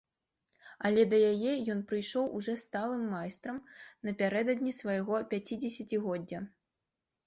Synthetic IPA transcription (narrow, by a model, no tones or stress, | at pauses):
ɐlʲɛd̪ɐjajɛjɔnpɾɨjʂɔwʔuʐɔst̪alˠɨmːajst̪ɾɐmnɐpʲaɾɛd̪ɐd̪nʲisvɐjɣɔpʲat͡sʲid͡zʲɛsʲɐt͡sʲiɣɔd͡zʲːɐ